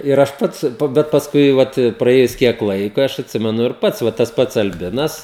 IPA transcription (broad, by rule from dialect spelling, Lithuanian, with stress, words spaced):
ɪr ˈɐʃ ˈpɐts bʲɛt pɐsˈkʊɪ ˈʋɐt prɐˈeːjʊs ˈkʲiɛk ˈlˠɐɪkoː ˈɐʃ ɐtʲˈsʲɪmʲɛnʊ ɪr ˈpɐts ˈʋɐ tɐs ˈpɐts ɐlʲˈbʲɪnɐs